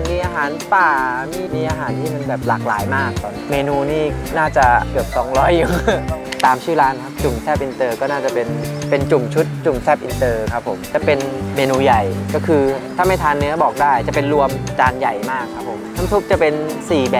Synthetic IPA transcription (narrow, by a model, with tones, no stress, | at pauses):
miː˧ʔaː˧ɦaː˩˦np̪aː˨˩miː˥˩miː˧ʔaː˧ɦaː˩˦nt̪ʰiː˥˩ma˧nbɛː˨˩p̚laː˨˩k̚la̰ː˩˦jmaː˥˩k̚sɔː˨˩˦nmeː˧nuː˧niː˥˩naː˥˩t͡ɕa˨˩kɯ˨˩əp̚sɔː˩˦ŋɾɔː˦˥jːu˨˩t̪aː˨˦mt͡ɕʰɯː˥˩ɾaː˦˥nkʰa˦˥p̚t͡ɕu˨˩msɛː˥˩p̚ʔi˧nt̪ɤː˧kɔː˥˩naː˥˩t͡ɕa˨˩pe˧npe˧nt͡ɕu˨˩mt͡ɕʰu˦˥t̪̚t͡ɕu˨˩msɛː˥˩p̚ʔi˧nt̪ɤː˧kʰa˦˥pʰːo̰˨˩˦mt͡ɕa˨˩pe˧nmeː˧nuː˧ja˨˩jkɔː˥˩kʰɯː˧t̪ʰaː˥˩ma˥˩jt̪ʰaː˧nːɯ˦˥ɐbɔː˨˩k̚daː˥˩jt͡ɕa˨˩pe˧nɾu˧əmt͡ɕaː˧nja˨˩jmaː˥˩kʰːa˦˥pʰːo˩˦mt̪ʰa˦˥mt̪ʰu˦˥p̚t͡ɕa˨˩pe˧nsiː˨˩bɛː˨˩